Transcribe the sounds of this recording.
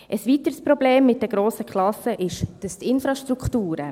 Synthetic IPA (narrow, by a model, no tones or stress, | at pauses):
ʔəsʋit̪əɾspɾobleːmːɪt̚dɛɡ̥ɾoːsəkχlɑsəʔɪʃd̥əst̪ɪnfɾɑʃtɾukχtuːɾə̰